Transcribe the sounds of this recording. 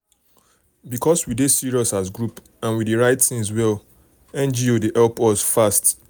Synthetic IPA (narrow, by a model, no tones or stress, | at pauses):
bikʰɔswidesiɹiɔsasɡɹup | ãnwideɹaɪtθĩŋswɛl | ɛ̃nd͡ʒiodehɛlpɔsfast